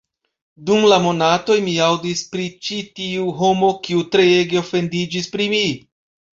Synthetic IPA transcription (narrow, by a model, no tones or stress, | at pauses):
dumlamo̞nato̞jmiawdispɾit͡ʃitiuɦo̞mo̞kiutɾe̞jeɡeo̞fe̞ndid͡ʒispɾimi